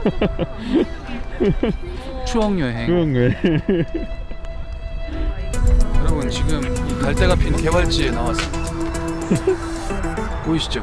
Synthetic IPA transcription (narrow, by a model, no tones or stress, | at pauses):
t͡ɕʰuʌŋjʌɦekɯɾʌŋne | kɯɾʌmɯnt͡ɕiɡɯmikaɭt͈eɡapʰinke̞baɭt͡ɕ͈ienawas͈ɯida | poiɕ͈i̥d͡ʑo